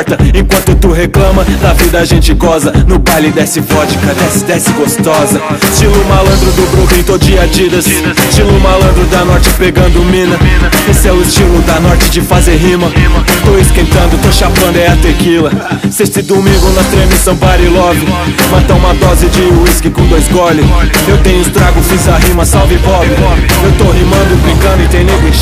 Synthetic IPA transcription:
ɾt̪ɐẽkwɐ̃nt̪ʊt̪uɦeklɐ̃mɐnɐvid̪ɐaʒẽnt͡ʃɪɡɔzɐnʊbajlɪd̪ɛsɪvɔt͡ʃikɐd̪ɛsɪd̪ɛsɪɡost̪ɔzɐst͡ʃilʊmalɐ̃nd̪ɾʊd̪ʊbɾũɡ̪ẽj̃t̪od͡ʒiɐd͡ʒid̪ɐst͡ʃilʊmalɐ̃nd̪ɾʊd̪ɐnɔɾt͡ʃɪpeɡɐ̃nd̪ʊmĩnɐesɪɛʊɪst͡ʃilʊd̪ɐnɔɾt͡ʃɪd͡ʒɪfazeɾɦĩmɐt̪oɪskẽjt̪ɐ̃nd̪ʊt̪oʃapɐ̃nd̪ʊɛɐt̪ekilɐsest͡ʃ̪ɪd̪umĩɡõnɐt̪ɾẽmisɐ̃w̃paɾilɔvʊmɐ̃t̪ɐ̃ũmɐd̪ɔzɪd͡ʒɪuiskɪkõd̪ojzɡɔlʊewt̪ẽɲʊst̪ɾaɡʊfizɐɦĩmɐsawvɪvɔlʊewt̪oɦimɐ̃nd̪ʊɪbɾĩkɐ̃nd̪ʊɪ̃t̪ẽnĩbe

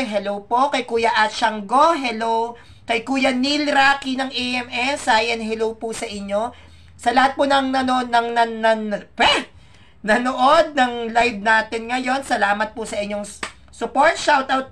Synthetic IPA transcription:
ɦɛlowpokɐjkuːjɐʔɐt̪ʃɐŋɡoɦɛlow | kɐjkuːjɐnilɾaːkinɐŋʔeʔɛmɛsaːjɐnɦɛlowpusɐʔɪɲːo̞ | sɐlɐhat̪̚ponɐŋnɐnonɐŋnɐnɐpɛ | nɐnoʔod̪̚nɐŋlajb̚naːt̪ɪnŋɐjo̞nsɐlaːmɐt̪̚pʊsɐʔɪɲːo̞ŋ | sʊpoɹt̪̚ʃawt̪awt̪̚

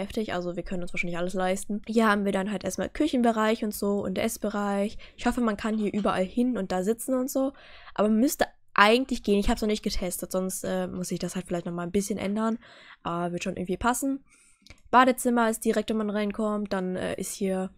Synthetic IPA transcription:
ɛftɪçʔa̰lzoviːɐkʰœnənʊnsv̥aːʃaɪnlɪçʔaləslaɪstn̩hiːɐhaːbm̩viːɐɾanɦaltʔeːɐstmaːlkʰʏçn̩bəʁaɪçʊntz̥oːʊ̰ntdʔɛsb̥əʁaɪçɪçhɔfəmankʰanhiːɐʔyːbɐʔalhɪnʊnt̚d̥aːzɪt͡sn̩ʊntz̥oː | ʔaːbɐmʏstə | ʔaɪɡŋ̩tlɪçɡ̥eːənɪçhaːbsnɔχnɪçt̚ɡ̥ətʰɛstətz̥ɔnstʔɛːmʊsz̥ɪçd̥ashaltfɪlaɪçtnɔχmaːlnbɪsçənʔɛ̰ndɐnʔaːbɐvɪɐtʃoːnɪ̰ɡŋ̩tv̥iːpʰasn̩ | b̥aːɾət͡sɪmɐɪstd̥iʁɛk̚tvonmanʁaɪnkʰɔmt̚d̥anʔɛ̰ːʔɪsthiːɐ

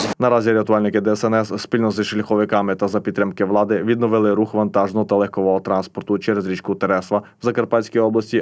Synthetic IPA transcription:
nɐɾɑzʲiɾɪɐt̪ʊɑlʲnɪkɪd̪ɛɛsɛnɛsspʲilʲnɔzɪʃlʲɐxɔʋɪkɑmɪt̪ɐzɐpʲit̪ːɾɪmkɪʋlˠɑd̪ɪʋʲid̪nɔʋɪlˠɪɾuxʋɐnt̪ɑʒnɔɦɔt̪ɐlˠɛxkɔʋɔɦɔt̪ɾɑnspɔrt̪ʊt͡ʃɛɾɛzɾʲit͡ʃkʊt̪ɛɾɛsʋɐwzɐkɐrpɑsʲkʲijɔblˠɐsʲtʲi

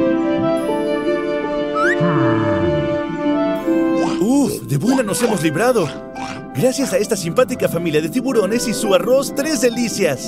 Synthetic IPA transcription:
uðe̞βunano̞se̞mo̞zliβɾaðo̞ | ɡɾasjasae̞st̪asimpat̪̬ikafamiljaðe̞t̪iβuɾo̞ne̞sisuaro̞st̪ɾe̞zðelisjas

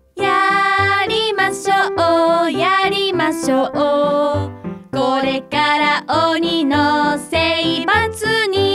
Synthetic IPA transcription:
ja | ɾimaɕoojaɾimaɕoo | koɾe̞kaɾaʔoɲinoseibat͡sɨɲ̟i

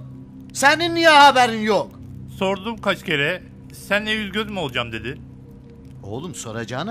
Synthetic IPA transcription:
sæninːijahabæɾinjok | so̞ɾd̪umkʰat͡ʃcʰe̞ɾɛ | sænːejyzɟʲøzmio̞lˠd͡ʒamd̪e̞d̪ɪ | o̰lˠumso̞̰ɾad͡ʒaːnɯ

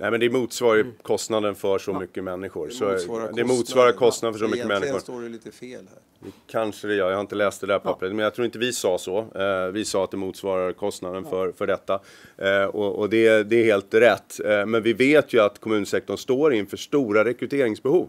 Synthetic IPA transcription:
nʔæjmɛnd̪ɛɾmuːt̪svɑːɾəkʰɔst̪nad̪ənfœʂɔmʏkːəmɛnːɪɧʊɾsɔd̪ɛɛmuːt̪svɑːɾad̪kʰɔst̪nad̪fœʂɔmʏkːəmɛnːɪɧʊɾ | kʰanʂəd̪ɛjœːjahaɾɪnt̪əlɛːst̪̚d̪ɛd̪æːɾpʰɔapːɾɛt̪ːmɛnjat̪ʰɾuːɪnt̪əvɪsɑːsɔvɪsɑːat̪̚d̪ɛmuːt̪svɑːɾaɾkʰɔst̪nad̪ənfœɾfœɖɛt̪ːa | ɔɔd̪ɛd̪ɛːheːlt̪ɾɛt̪ːmɛnvɪveːt̪ʰjɵat̪kʰɔmʉ̟nsɛk̚t̪ɔɳst̪oːɾɪnfœːʂt̪uːɾaɾɛkɾɵt̪ʰeːɾɪŋsbɛhuːv

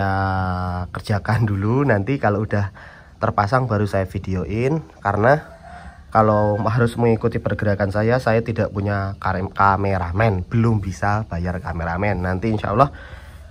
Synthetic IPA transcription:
a | kərd͡ʒakandulunant̪ikaloudah | t̪ərpasaŋba̤ɾusajafideoʔɪnkaɾəna | kalomaɦaɾʊsməŋikut̪ipərɡəɾakansajasajat̪idaʔpuɲakameɾamɛnb̥əlʊmbisab̥ajarkameɾamɛnːant̪iːnʃa̰ʔə̰lːɔh

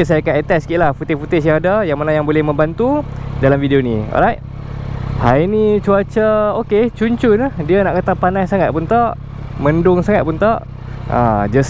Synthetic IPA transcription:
s̬ajakaət̪ɛskiʔlahfut̪efut̪es̬jaŋadajaŋmənajaŋbolɛhmə̃mbant̪udalamfidionĩɔ̰lɾajt̚ | hajinit͡ʃuat͡ʃəoket͡ʃuɲt͡ʃunədianaʔkət̪apanajsaŋat̪̚punt̪aʔ | mə̃ndʊŋsaŋat̪̚punt̪aʔ | ʔã̰d͡ʒas

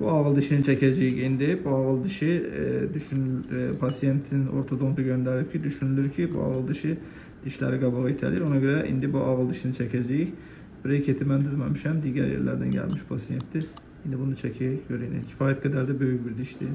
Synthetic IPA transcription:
b̥uɑʁɯlˠd̪iʃinit͡ʃʰɛcʰæd͡ʒɛjiçind̪ibuɑɣɯlˠd̪iʃid̪yʃynpʰɑsijent̪ʰino̞̰ɾt̪ʰod̪o̞md̪ɯɟø̞nd̪æɾip̚cʰid̪yʃynylʲyɾcʰibṵɑ̰ʁɯlˠd̪iʃi | d̪̥iʃlæ̰ɾiɡɑbɑʁɯit̪ʰæ̰liɾo̞nɑɟø̞ɾæʔḭnd̪ibuʔɑɣɯlˠd̪iʃinit͡ʃʰɛcʰæd͡ʒæjiç | biɾecʰet̪ʰimænd̪yzmæmiʃæmd̪iːɟæ̰ɾjḛɾlæ̰ɾd̪æ̰nɟæ̰lʲmiʃpʰɑsijent̪d̪i | ind̪ibunɯt͡ʃʰɛcʰæøɾinḭcʰi̥fɑːjæt̪ɡæd̪æɾd̪æbø̞jycbiɾd̪iʃd̪i

